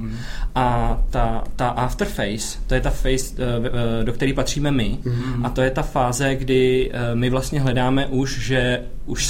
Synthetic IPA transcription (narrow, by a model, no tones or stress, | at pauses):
ʔat̪at̪aʔaft̪ɛɾfɛjst̪o̞jɛt̪afɛjs | do̞kt̪ɛɾiːpat̪r̝̥iːmɛmɪʔat̪o̞jɛt̪afaːzɛɡdɪmɪvlast̪ɲɛɦlɛdaːmɛʔuʃʒɛ | ʔuʃ